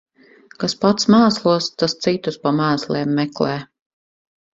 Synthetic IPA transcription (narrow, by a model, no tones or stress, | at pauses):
kaspat̪smaːslˠuɔst̪ast̪sit̪uspamæːsleːmːɛklɛː